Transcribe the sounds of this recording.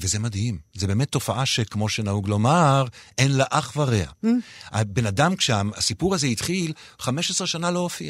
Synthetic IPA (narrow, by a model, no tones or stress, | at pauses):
vezemadhimzebe̞ːmetːo̞faʔaʃekmo̞ʃenauɡlo̞maʁenlaʔaχvaʁea̰a̰benadamkʃeaasipuʁazeit̪χil | χame̞ʃesʁeʃanaloofia